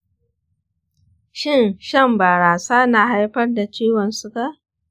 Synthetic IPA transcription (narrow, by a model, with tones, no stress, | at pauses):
ʃɪ˦˨nʃɐ˦˨mbaː˨ɾaː˨saː˦naː˨ɦa˦jɸɐ˦rda˨t͡ʃiː˦wɔ˨nsʊ˦ka˦˨